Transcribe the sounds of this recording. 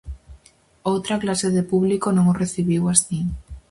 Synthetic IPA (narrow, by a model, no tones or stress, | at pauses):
owt̪ɾaklase̞ðe̞puβlikonõŋoreθiβiwasi